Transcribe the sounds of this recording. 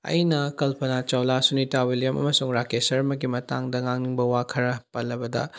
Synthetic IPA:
ɐ̰jnɐkɐlpʰɐnat͡ʃɐwlasunitawilijɐmɐ̰mɐsuŋɾakesɐɾɐmɐɡimɐtaŋdɐŋaŋniŋbɐwakʰɐɾɐpɐlːɐbɐdɐ̰

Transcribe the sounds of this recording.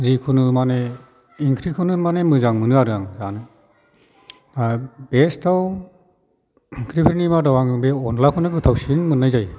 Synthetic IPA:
zikʰunɯmane | iŋkʰɾikʰɯnɯmanemɯzaŋmɯnɯaɾɯaŋzanɯ | abestʰaw | kʰɾipʰiɾnimadawaŋbeɔnlakʰɯnɯɡɯtʰawsinmɯnːajzaj

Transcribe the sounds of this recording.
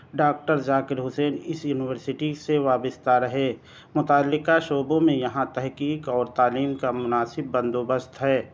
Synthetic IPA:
ɖaːk̚ʈəɾd͡ʒaːkɪɾɦʊsɛːnɪsjuːnɪʋəɾsɪʈiseʋaːbɪst̪aɾɐɦeː | mʊt̪aːlːɪkaʃoːbõmẽjɐɦãt̪ɛɦkiːkɔːɾt̪aːliːmkamʊnaːsɪbːə̃nd̪oːbəst̪ɦɛː

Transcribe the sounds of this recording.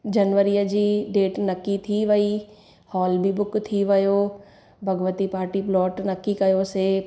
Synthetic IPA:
d͡ʒɐnʋəɾijəd͡ʒiːɖeːʈnɐkːit̪ʰiʋɐiː | hɔːlbʱibʊkt̪ʰiʋɐjoː | bʱɐɡʋət̪ipaːɾʈiplɔːʈnɐkːikɐjoseː

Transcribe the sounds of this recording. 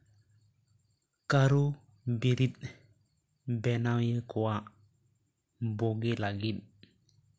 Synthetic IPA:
kaɾu | biɾit̚ | bɛnawjekuwa | boɡilaɡiɗ̚

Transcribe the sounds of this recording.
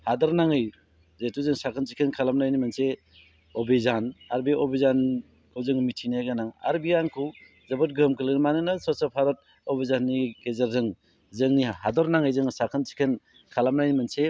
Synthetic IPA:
hadɔɾnaŋɯj | zetuzɯŋsakʰɯnt͡ʃikʰenkʰalamnajnimanse | obizanaɾbiobizan | kʰawzɯŋmitʰineɡanaŋa̰ɾbiankʰuw | zɐbɔt̚ɡɯmkʰɯlnimanɯnasɔsapʰaɾɔt̚ | ɔbizanːikezaɾzɯŋ | zɯŋnihadɔɾnaŋɯjzɯŋsakʰɯnt͡ʃi̥kʰen | kʰalamnajnimanse

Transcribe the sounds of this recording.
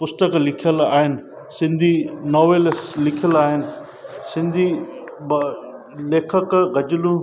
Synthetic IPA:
pʊst̪əklɪkʰijəla̰ːɦɪnɪ̆ | sɪ̃nd̪ʱinoːʋeːlslɪkʰijəlaːɦɪnɪ̆ | sɪ̃nd̪ʱi | b | leːkʰəkɣɐd͡ʑɪlũ

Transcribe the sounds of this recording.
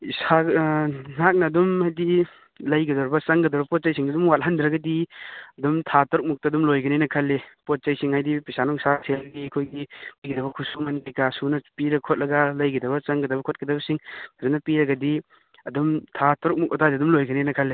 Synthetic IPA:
isa | nak̚nɐːdumhajdi | lɐjɡɐdɔɾbɐt͡ʃɐŋɡɐdɔɾbɐpɔt̚t͡ʃɐjsiŋnɐdumwat̚ɦandɾɐɡɐdiɐdumtʰatɔɾk̚muk̚tɐːdumlojɡɐnenɐkʰɐlːepot̚t͡ʃɐjsiŋhajdipisanɔŋsasʰelɡikʰojɡipiɡidɐbɐkʰusumɐntikasunɐpiɾɐkʰot̚lɐɡɐlɐjɡidɐbɐt͡ʃɐŋɡɐdɐbɐkʰot̚kɐdɐbɐsiŋadunːɐpiɾɐɡɐdi | ɐdumtʰatɔɾk̚muk̚ɔtadiɐdumlojɡɐnenɐkʰɐlːe

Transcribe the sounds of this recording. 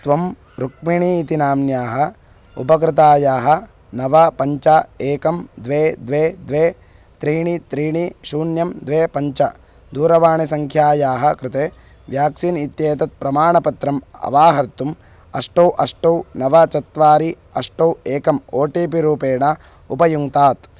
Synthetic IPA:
t̪ʋɐm | ɾuk̚miɳiːt̪inaːmjaːɦɐ̆ | upɐk̬ɾɪt̪aːjaːɦɐ̆ | nɐʋɐpɐɲt͡ʃaːeːkɐmd̪ʋeːd̪ʋeːd̪ʋeː | t̪ɾiːɳit̪ɾiːɳiʃuːnjɐmd̪ʋeːpɐɲt͡ʃɐ | d̪uːɾɐʋaːɳisɐŋkʰjaːjaːɦɐ̆kɾɪt̪eː | ʋjaːksinit̪jeːt̪ɐt̪̚pɾɐmaːɳɐpɐt̪ɾɐmɐ̰ʋaːɦɐɾt̪um | ɐʂʈɐwʔɐʂʈɐwnɐʋɐt͡ʃɐt̪ʋaːɾi | ɐʂʈɐweːkɐmoːʈiːpiɾuːpeːɳɐ | upɐjuŋt̪aːt̪

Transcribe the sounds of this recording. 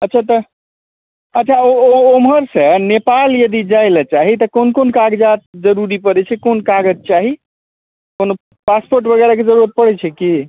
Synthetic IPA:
ətːʃʰat̪ə | ətːt͡ʃʰaooomɦəɾsənepaljəd̪id͡ʒajlət͡ʃaɦit̪ɔkonkonkaɡd͡ʒat̪̚d͡ʒəɾuɾipəɾɛt͡ʃʰɛkonkaɡəd͡ʒ̚t͡ʃaɦi | kono | paspoɾʈbəɡɛɾaked͡ʒəɾuɾət̪̚pəɽɛt͡ʃʰɛki

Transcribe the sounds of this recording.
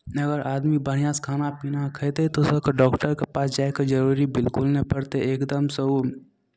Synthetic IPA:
ɐɡəɾʔaːd̪mibəɽjãskʰaːnapiːnakʰɛt̪et̪osɐkʰɖɔːkʈəɾkepaːsd͡ʒaːekad͡ʒɐɾuːɾibɪlkʊlnɐpɐɽt̪eeːkd̪əmsɐɦu

